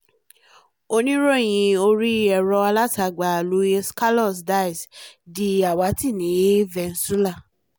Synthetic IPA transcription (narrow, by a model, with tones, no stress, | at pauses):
o˧nĩ˦ɾo˦˨j̃ĩ˧o˧ɾi˦ɛ˧ɾɔ˧a˧la˦ta˧˨ɡ͡ba˨lu˨˦e˧ska˦lɔ˦˨sda˦˨i˨sdi˧a˨wa˨˦ti˦˨nĩ˨˦vɛ˧n̩˨˦su˦la˦˨